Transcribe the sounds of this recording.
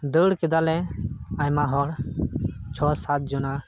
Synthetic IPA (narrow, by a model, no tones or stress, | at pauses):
d̪əɽkid̪alɛajmaɦɔɽ | t͡ʃʰɔsat̪̚d͡ʒuna